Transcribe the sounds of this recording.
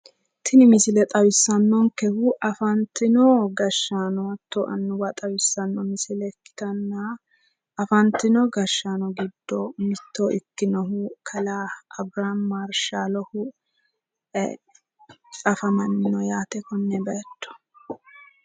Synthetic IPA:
t̪ʰɪnɪmɪsɪlɛt̪ʼɐwɪsːɐnːɔŋkɛhuʔɐfɐnt̪ːɪnɔɡɐʃːaːnɔwɐt̪ːoʔɐ̰nːʊwɐt̪ʼɐwɪsːɐnːɔmɪsɪlɛkːɪ̥t̪ɐnːa | ɐfɐnt̪ɪnɔɡɐʃːaːnɔɡɪd̪ːɔmɪt̪ːoʔɪkːɪnɔɦʊkʰɐlaʔɐbɾanmaɾʃaːlɔhʊ | kʼɐfɐmɐnːɪnɔjaːt̪ɛkɔnːɛbɐɛt̪ːɔ̥

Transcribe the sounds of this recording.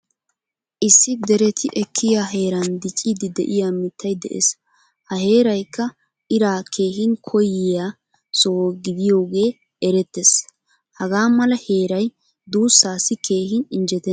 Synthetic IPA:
ʔɪsːɪd̪ɛɾɛt̪ʰɪʔɛkʰːɪjaɦe̞ːɾɐnd̪ɪt͡ʃʼːɪd̪ɪd̪ɛ̰ʔɪjaːmɪt̪ʰːɐjd̪ɛ̰ʔḛs | hɐɦe̞ːɾɐjkːɐ | ʔɪɾaːkʰe̞ːɦɪnkʰɔjɪjaː | soːɡɪd̪ɪjo̞ːɡe̞ː | ɛɾɛt̪ːɛs | hɐɡaːmɐlɐhe̞ːɾɐj | d̪uːsːaːsɪkʰe̞ːhɪnɪnd͡ʒɛt̪ɛ

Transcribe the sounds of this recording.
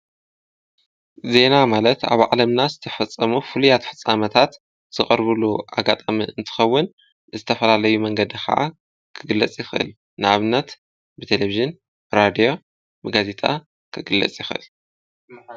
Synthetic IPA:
ze̞namalɐt̪a̰βʕalɐmnazɨt̪ʰɐfɐt͡sʼːɐmufɨlujat̪ħɨt͡sʼːamɐt̪ʰat̪ | z̥ɨχʼɐɾβɨluʔaɡat̪ʼamiɨnt̪ʰɨ̥xɐwːʊn | zɨt̪ʰɐfɐlalɐjumɐŋɡɐd̪ixʰɐ̰ʔa̰ | kʰɨɡɨlːɐt͡sʼjɪxʔɨ̰l | nɨʕaβnːɐt̪ | bɨt̪ʰe̞leviʒɨn | bɨɾad̪ijo̞ | bɨɡaze̞t̪ʼa | kʰɨɡɨlːɐ̰t͡sʼjɪxʔɨ̰l

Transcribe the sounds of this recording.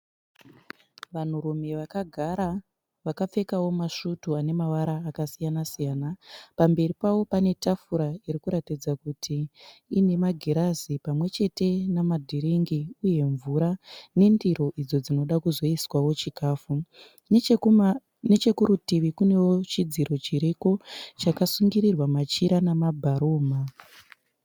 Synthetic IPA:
ʋan̤uɾume̞ʋakaɡʱaa | ʋakap͡fe̞kawo̞maʃutuane̞maʋaɾaːkasijanasijaːnapambe̞ripawo̞pane̞tafuɾaiɾikuɾatid͡zakutʰiine̞maɡʱeɾazipamwe̞t͡ʃe̞te̞namadʱiɾiŋɡiuje̞ɱvuɾane̞ndiɾo̞ʔid͡zo̞d͡zino̞ɗakuzo̞iswawo̞t͡ʃikaːfu | net͡ʃe̞kuɾutiʋikune̞wot͡ʃid͡ziɾo̞t͡ʃiɾeko̞t͡ʃakasuŋɡiɾirwamat͡ʃiɾanamabʱaɾoːma

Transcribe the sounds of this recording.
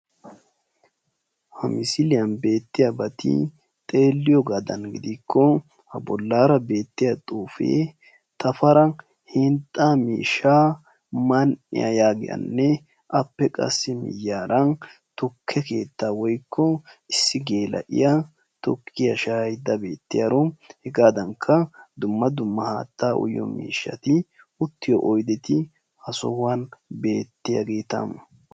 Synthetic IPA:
hɐmɪsɪlɪjɐnbe̞ːt̪ːɪjɐbɐt̪ʰɪ̰ | t̪ʼe̞ːlːɪjɔɡɐd̪ɐnɡɪd̪ɪkʰːɔ | hɐbɔlːaːɾɐbe̞ːt̪ːɪjɐt̪ʼuːfḛː | t̪ɐfɐɾɐ | hɪnt̪ʼːamḭːʃaː | mɐnʔɪ̰jɐ̰jaːɡɪjɐ̰nːɛ | ʔɐpːɛkʼɐ̰sːɪmɪ̰jːaːɾɐn | t̪ɔkʰːɛke̞̰ːt̪ːaːwɔjkʰːɔɪsːɪɡeːlʔɐ̰ʔɪ̰jɐ | t̪ɔkʰːɪjɐʃɐhɐjd̪ːɐbe̞ːt̪ːɪjɐɾɔhɛɡaːd̪ɐŋkʰːɐd̪ʊmːɐd̪ʊmːɐha̰ːt̪ːaːʔʊ̰jːɔ̰mḭːʃːɐ̰t̪ɪ | ʊt̪ːɪjɔ̰ʔɔjd̪ɛt̪ɪ | hɐsɔ̰wanbe̞ːt̪ːɪjɐ̰ɡeːt̪ɐ̰m

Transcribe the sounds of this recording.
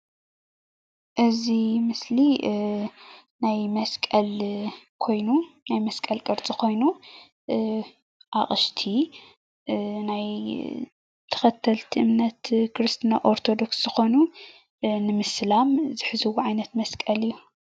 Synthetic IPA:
ʔɨzimɨsli | najmɐskʼɐlkʰo̞jnunajmɐskʼɐlkʼɨɾt͡sʼikʰo̞jnu | ʔaχʼɨʃt̪ʰi | naj | t̪ʰɐ̥xɐt̪ʰːɐlt̪ʰiʔɨmnɐt̪kɨɾɨst̪ʰɨnaʔoɾt̪ʰo̞d̪o̞ksz̥ɨxo̞nu | nɨmɨslamzɨħɨzɨwuʕajnɐt̪mɐskʼɐlijːu

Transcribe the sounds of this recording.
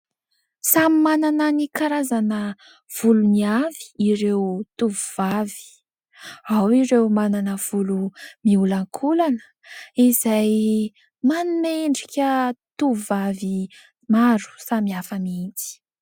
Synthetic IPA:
samimanananikaɾazanə | v̥uluniavi̥iɾewt̪uvuv̥avi̥ | awiɾewmananəv̥ulumiulaŋkʰulanə̥ | izaj | manumeɳɖ͡ʐikʲət̪uvavi | maɾu̥samiafəmiinti̥

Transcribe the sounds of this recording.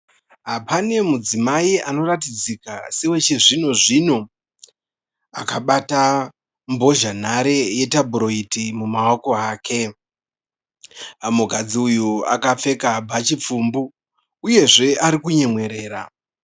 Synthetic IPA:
ɦapane̞mud͡zimaiano̞ratid͡zikasewe̞t͡ʃe̞ʐino̞ʐino̞ | akaɓata | mbo̞ʒan̤aɾe̞je̞tabʱuɾo̞itimumawoko̞aːkʰe̞ | muɡʱad͡ziujua̰kafe̞kabʱat͡ʃip͡fuːmbuː | je̞ʐe̞aɾikuɲe̞mwe̞ɾe̞ːɾa̰

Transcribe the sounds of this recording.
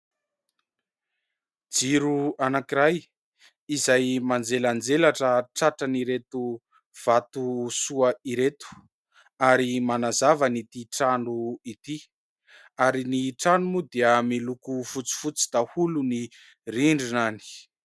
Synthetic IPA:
d͡ziɾuanakiɾaj | izajmand͡zeland͡zelaʈ͡ʂəʈ͡ʂaʈ͡ʂəniɾet̪u | v̥at̪usuaiɾet̪u̥ | aɾimanazavənit̪iʈ͡ʂaɳuit̪i | aɾiniʈ͡ʂanumud̪iəmilukufut͡si̥fut͡si̥d̪ahuluni | riɳɖ͡ʐinani̥

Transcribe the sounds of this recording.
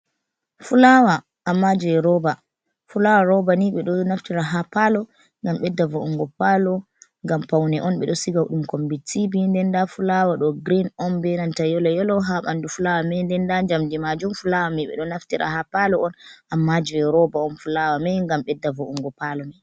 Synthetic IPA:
fulawa | ʔːmːad͡ʒuɛɾɔba | fulawaɾɔbaniɓɛɗɔnaftiɾaɦapalɔ | ŋɡamɓɛdːavɔuŋɡɔpalɔ | ŋɡampawnɛʔɔnɓɛ̰ɗɔsiɡawuɗumkombitibindɛndafulawaɗɔɡɾinɔnbɛnantajɔlɔjɔlɔɦaɓa̰ndufulawamɛndɛndaɲd͡ʒamdimad͡ʒumfulawamiɓɛ̰ɗɔnaftiɾa̰hapalɔɔnamːad͡ʒuɛɾɔbaɔnfulawamɛŋɡamɓɛdːavɔʔuŋɡɔpalɔmɛ

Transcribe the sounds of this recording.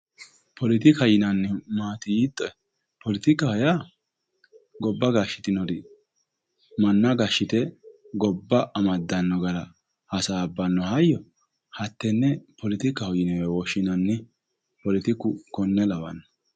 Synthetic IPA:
pʰɔlɪt̪ɪkɐjɪnɐnːɪmaːt̪ɪjit̪ʼːɔ | pɔlɪt̪ɪkːɐhɔja | ɡɔbːɐɡaʃːɪ̥t̪ɪnɔd̪ɪ | mɐnːɐɡɐʃːɪt̪ɛ | ɡɔbːɐʔɐmɐd̪ːɐnːɔɡɐlɐ | hɐsaːbːɐnːɔhɐjːɔ | hɐt̪ːɛnːɛpɔlɪt̪ɪkːɐhɔjɪnɔjɐwɔʃːɪnɐnːɪ | pɔlɪt̪ɪkːʊkɔnːɛlɐwɐ̰nːɔ

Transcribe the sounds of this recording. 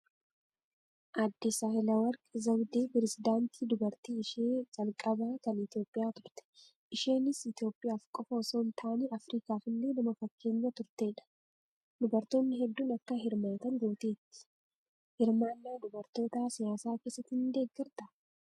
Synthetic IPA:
ʔɐd̪ːɪsaːhɪlɐwɐɾkzɐbd̪eːpɾɛsɪd̪aːnt̪ʰiːd̪ʊbɐɾt̪iːɪʃeːd͡ʒʼɐlkʼɐbaːkɐnɪt̪jo̞ːpʼːɪjaːt̪ʊɾt̪ɛ̥ | ʔɪʃe̞ːnɪsɪt̪jo̞ːpʼɪjaːfkʼɔfɐsoːnt̪ʰaːneːʔɐfɾiːkaːfɪlːe̞ːnɐmɐfɐkʰːe̞ːɲːɐt̪ʊɾt̪e̞ːᶑɐ̥ | d̪ʊbɐɾt̪o̞ːnːɪɦɛd̪ːuːnɐkːɐɦɪɾmaːt̪ɐnɡo̞ːt̪eːt̪ːɪ̥ | hɪɾmaːnːaːd̪ʊbɐɾt̪o̞ːt̪aːsɪjaːsaːke̞ːsːɐt̪ːhɪnd̪e̞ːɡːɪɾt̪ɐ

